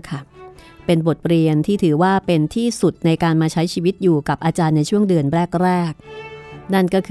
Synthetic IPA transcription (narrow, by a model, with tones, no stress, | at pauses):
kʰa˥˩ | pe˧nbo˨˩t̪̚ɾi˧ənt̪ʰiː˥˩t̪ʰɯː˩˦waː˥˩pe˧nt̪ʰiː˥˩su˨˩t̪̚na˧jkaː˧nmaː˧t͡ɕʰa˦˥jt͡ɕʰiː˧wi˦˥t̪̚juː˨˩ka˨˩p̚ʔaː˧t͡ɕaː˧nːa˧jt͡ɕʰu˥˩əŋdɯ˧ənɾɛː˥˩k̚ɾɛː˥˩k̚na˥˩nkɔː˥˩kʰ